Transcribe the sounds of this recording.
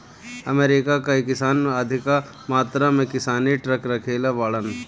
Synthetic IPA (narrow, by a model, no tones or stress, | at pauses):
ɐmeːɾɪkakaikɪsaːnmaːd̪ʱɪka | maːt̪ɾamẽkɪsaːniʈɾɐkɾɐkʰeːlaʋaːɭən